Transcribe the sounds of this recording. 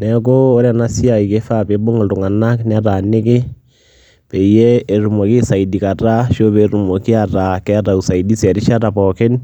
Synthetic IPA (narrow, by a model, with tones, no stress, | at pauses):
nɛ˨koː˦ɾa˨na˦si˦a˨i˨ke˦fa˦pe˨˦bʊ˦ŋa˨ltʊ˨ŋa˨na˦knɛ˦a˦ta˨nɪ˦kɪ˦ | pɛ˨jɛ˦e˨ɾu˨mɔ˨kɪ˦sa˨i˨di˨ka˨ta˦ʃo˦be˨˦ɾu˨mɔ˨ki˦a˨ta˨kɛ˦a˦ta˨u˨sa˨i˨di˦sɛ˨ɾi˦ʃa˦ta˨pɔ˨kɪ˦n